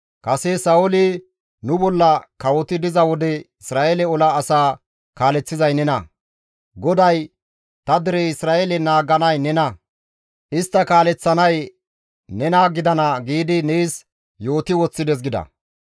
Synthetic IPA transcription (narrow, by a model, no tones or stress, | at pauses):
kɐsɛsɐɔlɪ | nʊbɔlːɐkɐwɔt̪ɪd̪ɪzɐwɔd̪ɛɪsɾaːʔelɛɔlaːsaː | kaːlɛt͡sːɪzɐjnɛnɐ | ɡɔd̪ɐj | t̪ɐd̪ɪɾɛɪsɾaːʔelɛnaːɡɐnɐjnɛnɐ | ʔɪst̪ːɐkaːlɛt͡sːɐnɐj | nɛnaːɡɪd̪ɐnɐɡiːd̪ɪneːs | jo̞ːt̪ɪwɔt͡sːɪd̪ɛs̬ɡɪd̪ɐ̰